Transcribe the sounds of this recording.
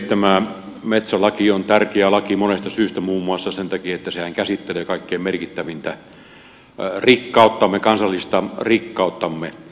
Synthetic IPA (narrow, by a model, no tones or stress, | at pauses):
t̪æmæˑ | met̪sælɑkiont̪ærkeælɑkimonest̪ɑsyːst̪æmuːmːuɑsːɑsent̪ɑkiet̪ːæsehæŋkæsit̪ːeleːkɑˑikːeːmerkit̪ːæʋint̪æ | rikːɑˑut̪ːɑmːekɑnsɑlːist̪ɑrikːɑˑut̪ːɑmːe